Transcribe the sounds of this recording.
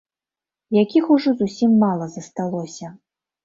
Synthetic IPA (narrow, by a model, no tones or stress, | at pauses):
jakʲixuʐɔzusʲimːalˠɐzɐst̪alˠɔsʲɐ